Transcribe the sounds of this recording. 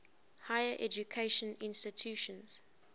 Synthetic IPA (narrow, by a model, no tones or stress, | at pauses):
haɪəʔɛd͡ʒukʰeɪʃə̃nɪ̃nstɪtʰjuːʃə̃nz̥